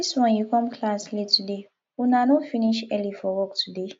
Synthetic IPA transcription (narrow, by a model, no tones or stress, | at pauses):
istwɔ̃njukɔ̃mkʰlaslitʰude | unanofiniʃɛlifɔwɔk̚tʰude